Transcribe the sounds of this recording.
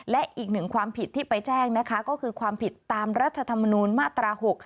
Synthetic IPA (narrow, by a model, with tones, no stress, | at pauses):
lɛ˦˥ʔʔiː˨˩k̚nɯ˨˩ŋkʰwaː˧mpʰi˨˩t̪ʰːiː˥˩pa˧jt͡ɕɛː˥˩ŋna˦˥kʰa˦˥kɔː˥˩kʰɯː˧kʰwaː˧mpʰi˨˩t̪ːaː˧mɾa˦˥t̪ʰːa˧t̪ʰa˧mːa˧nuː˧nmaː˥˩t̪ɾaː˧ho˨˩k̚